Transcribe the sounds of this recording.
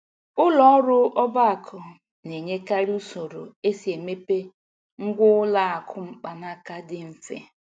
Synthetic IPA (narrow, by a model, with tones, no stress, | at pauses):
ʊ˦lɔ˦ɔ˦ɾʊ˦ʔɔ˦ba˦a˨kʰʊ˨ | ne˨ɲe˦ka˦ɾi˦u˦so˨ɾo˨e˦si˨e˨me˦pe˦ | ŋ̩˦ɡʷʊ˦la˦a˨kʰʊ˦ŋ͡m̩˦k͡pa˨na˦ka˦dɪ˦m̩˦fḛ˦